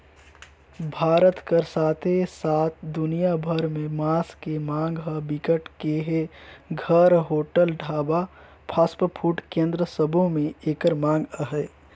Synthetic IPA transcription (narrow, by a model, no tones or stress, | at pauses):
bʱaːɾət̪kəɾsaːt̪ʰesaːt̪ʰd̪ʊnijabʱəɾmẽmaːskemãːŋɡɦəbɪkəʈkeɦeɡʱəɾɦoːʈəlɖʱaːba | pʰaːspəpʰuːʈkẽːnd̪ɾəsəbʱõmẽeːkəɾmãːŋɡəɦɛ